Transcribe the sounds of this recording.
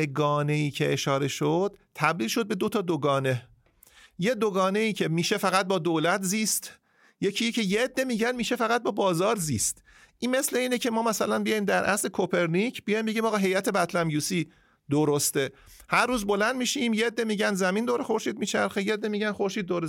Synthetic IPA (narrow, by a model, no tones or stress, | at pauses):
eɡɒːne̞iːcʰe̞ʔeʃɒːɾe̞ʃod̪̥t̪ʰːæb̚d̪iːlʃo̞d̪̚be̞d̪o̞t̪ʰɒːd̪oɡɒːne̞ | je̞d̪oɡɒːne̞iːcʰe̞miːʃe̞fæɣæt̪̚bɒːd̪oːlæt̪ziːst̪ | je̞cʰiːjcʰe̞jeːd̪ːemiːɟænmiːʃe̞fæɣæt̪̚bɒːbɒːzɒːɾziːst̪ | ʔiːnme̞sle̞iːnecʰe̞mɒːmæsælænbijɒːjimd̪æɾʔæ̰sle̞kʰopʰe̞ɾnicʰb̥ijɒjmbe̞ɟiːmɒːɣɒːɦe̞jæt̪ʰe̞bæt̪ʰlæmjuːsiː | d̪oɾost̪e | hæɾːuːzbo̞lænd̪̚miːʃimjeed̪ːemiːɟænd̪zæmind̪oːɾe̞xo̞ɾʃiːd̪miːt͡ʃʰæɾxejeed̪ːemiːɟænxo̞ɾʃiːd̪̚ːoɾe